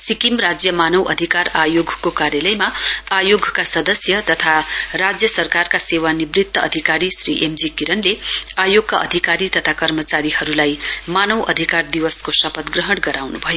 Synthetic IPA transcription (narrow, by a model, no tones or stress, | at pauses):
sikimrad͡zjʌmanʌwʔʌ̰d̪ʱikarajoɡkokaɾjʌlʌjmaajoɡkasʌd̪ʌsjʌt̪ʌt̪ʰarad͡zjʌsʌrkarkasewanibrit̪ːʌʌ̰d̪ʱikaɾisrḭʔemd͡zikiɾʌnleajoɡ̚kaʔʌ̰d̪ʱikaɾit̪ʌt̪ʰakʌrmʌt͡saɾihʌɾulajmanʌwʔʌ̰d̪ʱikard̪iwʌskosʌpʌt̪ɡrʌɦʌɽɡʌɾawnubʱʌjo